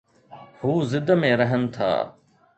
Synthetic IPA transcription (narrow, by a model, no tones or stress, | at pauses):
huːzɪd̪mẽːɾəɦənt̪ʰa̰ː